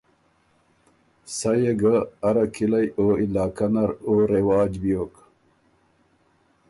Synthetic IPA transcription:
sajeɡaːɾakʰilajoːilaːkanaɾoɾewɑːd͡ʑbijok

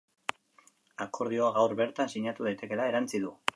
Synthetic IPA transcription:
ako̞ɾð̞io̞aɣawɾβe̞ɾt̪ansiɲat̪uð̞ajt̪e̞ke̞lae̞ɾant͡siðu

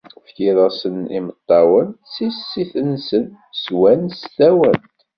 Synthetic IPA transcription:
fçiðˤɑsənimət̪ˤːɑwənsisːiθənsən | swænst̪æwənt̪

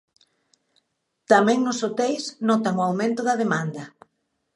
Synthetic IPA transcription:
t̪amɛ̃ŋnʊsot̪ejsnɔt̪aŋʊawmẽnt̪ʊðɐðemand̪ɐ

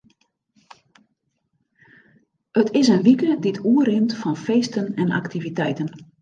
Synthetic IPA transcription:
ətʰɪsənʋikəditʰuərɪmtfɔnfeːstənɛna̰ktivitɛjtən

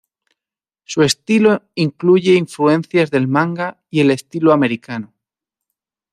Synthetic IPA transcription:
sue̞st̪iloiŋkluʝe̞iɱflue̞nθjazðe̞lmãŋɡa | ie̞le̞st̪iloame̞ɾikano

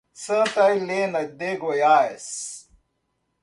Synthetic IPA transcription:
sət̪ajlenɐd̪eɡojaːes

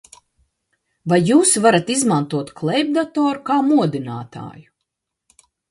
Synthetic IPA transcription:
vajːuːsvaɾat̪izmant̪uɔt̪klˠɛjb̚d̪at̪ɔːɾukaːmuɔd̪ina̰ːt̪a̰ːju

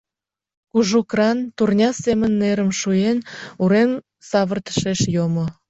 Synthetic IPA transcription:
kuʒukrɑnt̪urnʲɑsemənːeɾəmʃujenuɾem | sɑβərt̪ə̥ʃeʃjomo

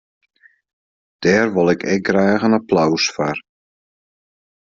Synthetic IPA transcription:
d̥ɛːrʋolˠɪkʰɛ̰k̚ɡraːɣənaplawsfar

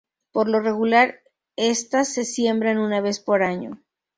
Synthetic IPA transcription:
po̞ɾlo̞re̞ɣulaɾ | e̞st̪asːe̞sje̞mbɾanunaβe̞spo̞ɾaɲo̰

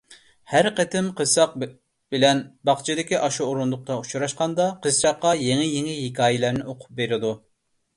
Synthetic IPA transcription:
hæɾqət̪ʰɪmqʰəsɑq̚ | b̥ɪlɛnbɑχt͡ʃʰid̪ɪkʲiʔɑʃuoɾund̪ʊq̚t̪ɑut͡ʃʰuɾɑʃqɑnd̪ɑqʰəsɾɑqːɑjeŋɪjeŋɪɦɪkʲʰɑːjɪlæɾnɪoqʰʊ̥p̚beɾɪd̪u

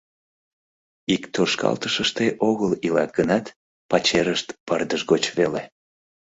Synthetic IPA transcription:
ikt̪orʃkɑ̰lt̪əʃəʃt̪eʔoɣəlilɑk̪̚ɡənɑt̪ | pɑt͡ɕeɾəʃt̪pərd̪əʒɣot͡ɕvele

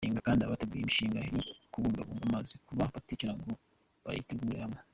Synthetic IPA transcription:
iːŋɡakaːndiaβateɡuːjemiʃiːŋɡajokuβuːmbaβuːŋɡamazikuβaβaticiɾaŋɡo | βa̰ɾa̰iteɡuːɾehame

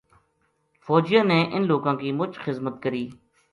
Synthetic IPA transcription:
fɔːd͡ʒɪjãːneːʔɪnloːɡãːkiːmʊt͡ʃxɪzmət̪kəɾiː

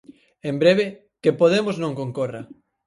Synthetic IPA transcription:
embɾeβe | kepoð̞emoznõŋkõŋkora

